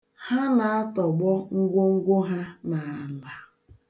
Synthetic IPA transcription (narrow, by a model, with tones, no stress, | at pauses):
ha˦na˨a˦tɔ˨ɡ͡bɔ˦ŋ̩˦ɡʷo˦ŋ̩˦ɡʷo˦ɦa˦na˨a˨la˨